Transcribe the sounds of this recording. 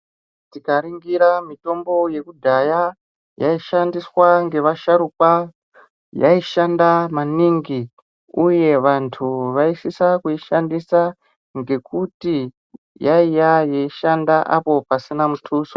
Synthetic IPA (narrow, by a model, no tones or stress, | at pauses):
tikaɾiŋɡiɾamito̞mbo̞je̞kudʱaja | jaiʃandiswaŋɡe̞ʋaʃaɾukwa | ja̰iʃandamaniŋɡi | uje̞ʋantʰuʋaisisakuiʃandisa | ŋɡe̞kuti | jaijajeiʃandaʔapo̞pasinamutʰuːso